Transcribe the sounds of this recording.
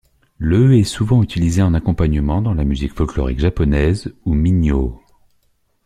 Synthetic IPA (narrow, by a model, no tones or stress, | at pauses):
løɛsuvɑ̃yt̪ilizeɑ̃nakɔ̃paɲəmɑ̃d̪ɑ̃lamyzikfɔlklɔ̰ʁḭkʒapɔnɛzumiɲjo